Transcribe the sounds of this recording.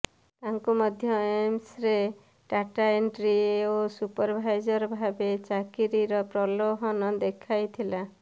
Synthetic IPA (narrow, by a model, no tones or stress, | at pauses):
t̪aŋkumɔd̪ʱjɔemsɾe | ʈaʈaeɳɖɾieosupɔɾbʱajd͡ʒɔɾɔbʱabet͡ʃakiɾiɾɔpɾɔloɦɔnɔd̪ekʰajt̪ʰila